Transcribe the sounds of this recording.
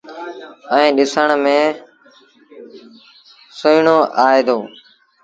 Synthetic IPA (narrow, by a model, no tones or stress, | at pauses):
əĩːɗɪsəɳmẽː | soɪɳoːʔaːeːd̪oː